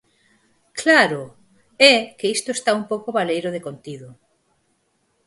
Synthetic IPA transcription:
klaɾʊ | ɛkeist̪ʊest̪aumpowkoβalejɾʊðekont̪iðʊ

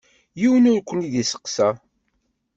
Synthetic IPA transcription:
jiwənʊɾkʷːəniðisə̥qːsæ

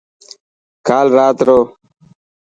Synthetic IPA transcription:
kaːlɾaːt̪ɾoː

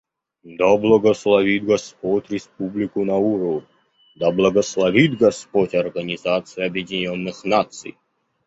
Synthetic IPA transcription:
d̪ablˠəɡəslˠɐvʲit̪ɡɐspotʲɾʲɪspublʲɪkʊnɐuɾə | d̪ablˠəɡəslˠɐvʲit̪ɡɐspotʲɐrɡənʲɪzat̪sɨjɐbjɪdʲɪnʲonːɨxnat̪sɨ̰j

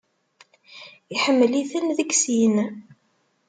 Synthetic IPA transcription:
iħəmːliθənðəɡsin

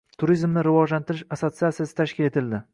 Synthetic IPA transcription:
t̪ʰʊɾizmnɪɾɪvɒd͡ʒlant̪ɪɾɪʃaso̞t̪siat̪sijasɪ̥t̪ʰaʃkʲɪle̞t̪ʰɪld̪ɪ

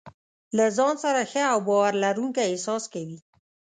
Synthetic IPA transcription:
lazɑnsaɾaxəawbɑwaɾlaɾuŋkaɪsɑskawi

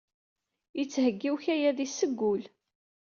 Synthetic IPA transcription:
jət͡sːhəɡːiwçæjæðisːəɡːʊl

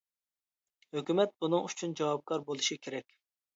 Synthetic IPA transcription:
høkʲymɛt̪̚bunɨŋyt͡ʃʰund͡ʒɑwɑp̚kʰɑɾbolˠuʃikʲʰeɾɛkʲ

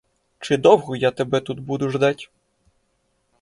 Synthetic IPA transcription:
t͡ʃɪd̪ɔwɣɔjat̪ebɛt̪ut̪bud̪ʊʒd̪atʲ

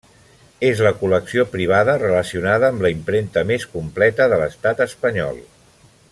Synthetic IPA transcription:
ezləkuləksiopɾiβ̞aðərələsiunaðəːmləimpɾent̪əmeskumplɛt̪əðələst̪at̪əspəɲɔ̰lˠ

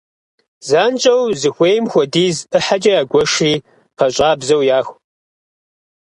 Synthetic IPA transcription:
zaːnt͡ʃʼɐwzɨxʷeːjmxʷɔdiːzɨħat͡ʃʼɐjaːɡʷɔʂiː | pʰɐɕʼaːbzɐwjaːxʷ

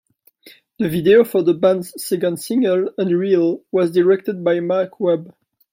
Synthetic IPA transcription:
ðəvideofɔ˞ðəbãnz̥sɛɡə̃nsɪ̃ŋɡələ̃ndɹilwʌzdəɹɛk̚təd̚bajmakʰwɛb

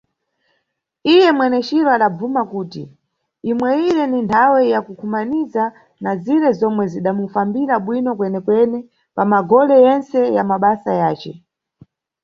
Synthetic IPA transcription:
ijɛmwɛnɛt͡ʃiɾɔaɗab͡vumakuːtḭ | imwɛiɾɛnintʰawɛjakukʰumaniza | naziɾɛzɔmwɛziɗamufambiɾaɓwinɔkwɛnɛkwɛnɛ | pamaɡɔlɛjɛnt͡sɛjamaɓasajaːt͡ʃɛ̰

